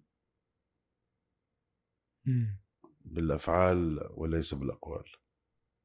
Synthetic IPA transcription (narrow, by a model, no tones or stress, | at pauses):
bɪlʔafʕaːlwa̰lɛjsabəlʔɑqwa̰ːl